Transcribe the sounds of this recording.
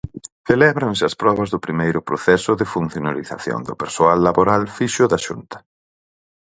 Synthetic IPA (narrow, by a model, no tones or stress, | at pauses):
θelɛβɾansɪɐspɾɔβɐzðʊpɾimejɾʊpɾoθɛsʊðɪfun̟θjonaliθa̰θjo̰nd̪ʊ̰peɾsoalːaβoɾalfiʃʊðɐʃṵnt̪ɐ̥